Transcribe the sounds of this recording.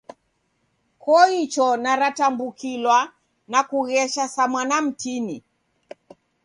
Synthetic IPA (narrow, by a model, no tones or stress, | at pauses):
kɔit͡ʃɔnaɾatambukilwa | nakuɣɛʃasamwanam̩tini